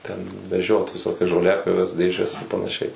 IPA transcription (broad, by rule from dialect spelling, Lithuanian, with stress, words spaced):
ˈtʲɛn ʋʲɛˈʒʲoːt ʋʲɪˈsoːkʲɛs ʒoːˈlʲæːpʲjoːʋʲɛs ˈdʲeːʒʲɛs ɪr pɐnɐˈʃʲɛɪ